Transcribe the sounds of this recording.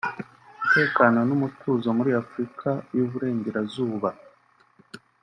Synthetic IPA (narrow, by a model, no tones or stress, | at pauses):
mute̞ːkano̞numutʰuːzo̞muɾiafɾikʰajuβuɾe̞ːɲɟe̞ɾazuːβa